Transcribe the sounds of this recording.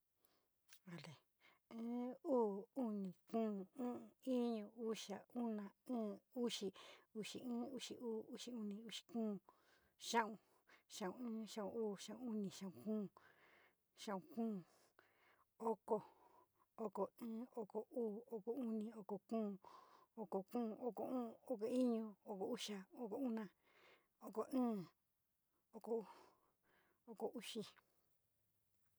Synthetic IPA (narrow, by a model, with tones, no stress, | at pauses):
a˨le˨ | ẽː˦uː˦u˦nĩ˨kũː˦˨ũ˦˨˧i˦ɲõ˧u˦ʃa˨u˦nã˧˨ɨ̃ː˦u˦ʃi˧u˧ʃḭ˨ĩː˦u˧˦ʃi˧ʔuː˦u˦ʃi˧u˦nĩ˧u˦ʃi̥˧kũː˦ | ʃã˦ʔũ˧ | ʃã˧˨ũ˧ɨ̃ː˦ʃã˦ũ˧uː˦˨ʃã˧ʔũ˧u˦nĩ˧˨ʃã˧˨ũ˧˨kũː˦˨ | ʃã˧˨ũ˧kũː˦˨ | o˦ko˧ | o˦ko˨ɨ̃ː˦o˦ko˨uː˦˨o˦ko˨u˦nĩ˧o˧ko˨kũː˦˨o˧ko˨kũː˦˨˧ʔo˦ko˧ũː˦˨o˦k̬o˧i˦ɲõ˧o˧˦ko˨u˦ʃa˧o˦ko˨u˦nã˧ | o˦ko˨ʔɨ̃ː˦ | o˦ko˨ | o˦ko˨u˦ʃi˦